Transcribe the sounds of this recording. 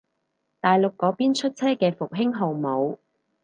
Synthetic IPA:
t̪aː˨jlʊ˨kːɔː˨˧piː˥nt͡ʃʰɵ˥t̚t͡sʰɛː˥kɛː˧fʊ˨k̚ɦɪ˥ŋɦo˨˩wmo˨˧w

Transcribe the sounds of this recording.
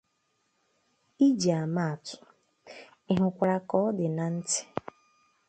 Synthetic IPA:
i˦d͡ʒi˨a˨ma˦a˨tʊ̥˨ | ɪ˦ɦʊ˨kʷa˨ɾa˦kɔ˦ɔ˦dɪ˨na˨n̩˦tɪ̥˦

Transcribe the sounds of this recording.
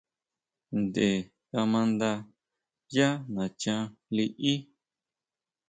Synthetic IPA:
nd̪e˨ | ka˧mã˧nd̪a˧ | ja˦nã˨t͡ʃã˧li˧ʔi˦

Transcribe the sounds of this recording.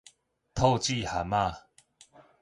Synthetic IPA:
t̪ʰo˥˧t͡ɕi˥˧˨ha˨ma˥˧˨

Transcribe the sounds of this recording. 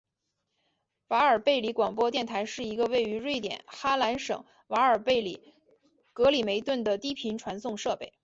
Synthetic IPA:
wa˧˥ə˞˨˩pe˥˩ɪli˧˥kwɑ˨˩ŋpwɔ˥t̪jɛ˥˩nt̪ʰa˧˥ɪʂɻ̩˥˩i˧˥ɡə˧we˥˩ɪy˧˥ɻwe˥˩ɪt̪jɛ̰˨˩˦nxa˥la˧˥nʂɤ̰˨˩ŋ | wa˧˥ə˞˨˩pe˥˩ɪlḭ˨˩ | kɤ˧˥li˨˩me˧˥ɪt̪wə˥˩nd̪ə˩t̪i˥pʰi˧˥nʈ͡ʂʰwa˧˥nsʊ˥˧ŋʂɤ˥˧pe˥˩ɪ

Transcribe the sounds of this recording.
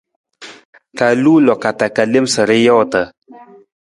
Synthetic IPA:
ka˨luː˦lɔ˨ka˨ta˨ka˨le˦msə˨ɾe˦jɔ˦˨tə˨

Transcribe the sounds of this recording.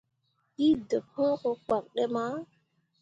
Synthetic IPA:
ki˦də˨p̚hõ˦ko˦k͡pa˨k̚ɗe˦ma˦

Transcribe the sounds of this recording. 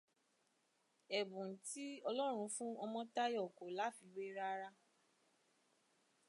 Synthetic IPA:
ɛ˨bũ˨n˨ti˦ɔ˧lɔ˦ɾ̃ũ˧fũ˦ɔ˧mɔ̃˦ta˦jɔ˦˨ko˨la˨˦fi˧we˦ɾa˦ɾa˦

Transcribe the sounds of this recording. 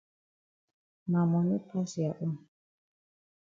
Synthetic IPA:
ma˨mɔ˨ni˦pʰa˦si˨a˨ʔu˦m

